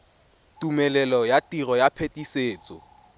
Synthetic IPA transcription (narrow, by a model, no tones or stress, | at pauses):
tʼumɛlɛlɔjatʼirɔjapʰetʼiseːt͡sʼɔ̰